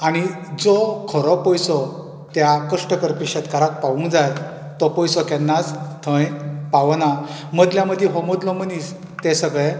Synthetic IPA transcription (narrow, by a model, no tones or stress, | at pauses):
aɽ̃i | d͡zɔkʰəɾɔpɔjsɔ | t̪jakəʂʈəkəɾpiɕət̪kaɾat̪̚paʋũŋkd͡zaj | t̪ɔpɔjsɔkɛnːat͡st̪ʰə̃jpaʋnaməd̪ljaməd̪ʱjeɦɔmod̪lɔmənis | t̪ɛsəɡɭe